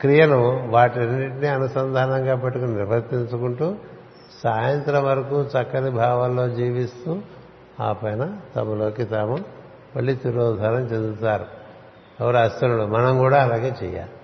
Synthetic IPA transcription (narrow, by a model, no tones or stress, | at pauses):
kɾijɐnuʋaːʈɐnːiʈiniɐnusɐnd̪ʱaːnɐŋɡaːpɐʈːukuniɾʋɐɾt̪iɲt͡ʃukuɳʈuː | saːjɐnt̪ɾɐmʋɐɾɐkut͡ʃɐkːɐd̪ibʱaːʋɐllo̞ːd͡ʒiːʋist̪uː | a̰ːpɐjnɐt̪ɐmɐlo̞ːkit̪aːmɐ | mɐɭːiːt̪iɾɔːd̪ʱaːɾɐmt͡ʃend̪ut̪aːɾu | ɛʋɐɾuɐst̪ɐnulumɐnɐmkuːɽaːɐlaːɡe̞ːt͡ʃɛ̰ːja̰ːlu